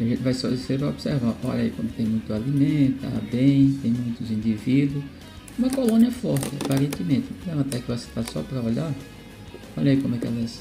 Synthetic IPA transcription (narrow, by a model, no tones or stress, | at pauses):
aʒẽnt̪ɪvajsɔseɾpɾaɔbsɛɾvaʔɔ̰ʎɐikõmd̪ʊt̪ẽj̃mũj̃t̪ʊalimẽt̪ʊa̰bẽj̃t̪ẽj̃mũj̃t̪ʊzĩnd̪ivid̪ʊs | ũmɐ̃kolõniɐfɔɾt̪ɪapaɾẽnt̪ɪmẽt̪ɪ̃lɛvɐ̃t̪akɪvose̥t̪asɔ̰pɾɐɔʎa | ɔʎɐikõmʊwɛkɛ̰lɛs